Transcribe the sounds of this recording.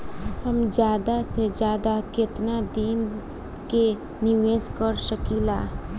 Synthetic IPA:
həmd͡ʒjaːd̪ased͡ʒjaːd̪akɪt̪nad̪iːn | ke | niʋeːskəɾsəkilaː

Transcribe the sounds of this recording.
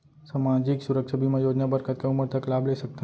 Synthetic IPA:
samad͡ʒiksuɾəkʂabimãjod͡ʒnabəɾkʰət̪̚kãuməɾt̪ʰəklableʃək̚t̪a

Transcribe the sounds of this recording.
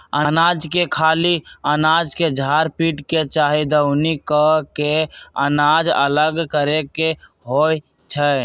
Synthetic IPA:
ənad͡ʒkekʰaːliənaːd͡ʒked͡ʒʱaːɾpiːʈket͡ʃaːɦid̪əʊnikəkeənaːd͡ʒə̰ləɡkəɾeke | ɦoj | t͡ʃʰə

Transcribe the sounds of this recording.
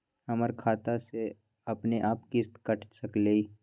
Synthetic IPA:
hɐməɾkʰaːt̪ase | ɐpneʔaːpkist̪kɐʈʰsɐkleː

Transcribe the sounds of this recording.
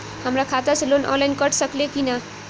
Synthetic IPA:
hamrakʰat̪aslonʔʌ̰nlajnkʌʈʰsʌklekinʌ

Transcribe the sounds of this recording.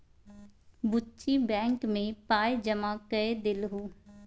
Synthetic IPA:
bʊtːt͡ʃibɛ̃ːŋkmẽpaːjd͡ʒəmakəed̪ɪlɦuː

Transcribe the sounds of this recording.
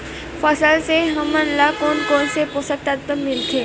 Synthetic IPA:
fəsəlseɦəmənlakoːnkoːnsepoːsək̚t̪at̪əmːɪlt̪ʰeː

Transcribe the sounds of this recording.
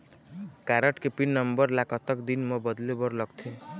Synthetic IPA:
kaɾəʈkepinːʌmbəɾlakɔt̪əkd̪inmɔbʌd̪lebɔɾlɔɡt̪ʰĩ

